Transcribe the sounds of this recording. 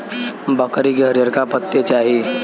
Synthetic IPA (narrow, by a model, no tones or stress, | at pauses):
bəkɾikeɦəɾjəɾkapət̪ːet͡ʃaːɦie